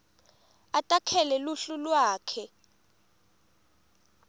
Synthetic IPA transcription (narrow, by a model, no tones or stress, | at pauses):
atʼakʰɛlɛluɬulwaːkʰɛ